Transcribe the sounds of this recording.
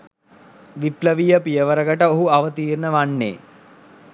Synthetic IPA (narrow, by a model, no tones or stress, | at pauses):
ʋipləʋijəpijəʋəɾəɡəʈəoɦuaʋət̪iːrnəʋanːḛː